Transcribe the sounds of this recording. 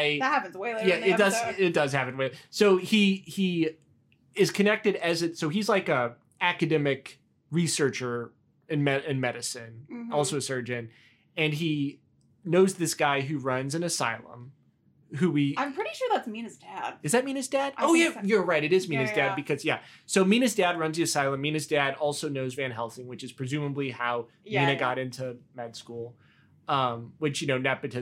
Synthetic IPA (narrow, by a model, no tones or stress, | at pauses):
ɪðɨt̚hæpɨ̃nzweɪjæɪd̥ʌzɪt̚d̥ʌz̥hæpɨ̃n̩weɪsoʊii | ɪz̥kʰɨnɛk̚tɨɾɨzɨtsoʊizlaɪkə | ækɨdɛmɪk | ɹisɜ˞t͡ʃə˞ | ɨ̃nmɛɨ̃nmɛɾɨsɨ̃nɔlˠsoʊɨsɜ˞d͡ʒɨ̃n | ɨ̃ni | noʊzðɪsɡ̥aɪɦʉɹʌ̃nzɨ̃nɨsa̰ɪlˠə̰̃m | ɦʉwiãɪ̃mpʰɹ̥ɪɾiʃʊɹðætsmĩnɨzdæd̥̚d̥ʌzðɨt̚mĩnɨzdæd̥oʊjɨjə˞ɹaɪɾɨɾɨzmĩnɨzdæd̚bɨkʰʌzjæsoʊmĩñɨzdæd̚ɹʌ̃nziɨsaɪlˠə̃mːĩñɨzdæɾɔlˠsoʊnoʊzvæ̃nɦɛlˠsɪ̃ŋwɨt͡ʃɨz̥pʰɹ̥ɨzʉ̃məblihaʊ | jmĩnɨɡɑɾɪ̃ntʰʉmɛd̥skulˠ | ʌ̃mwɨt͡ʃjɨnoʊnɨt̚b̥ɨtɨ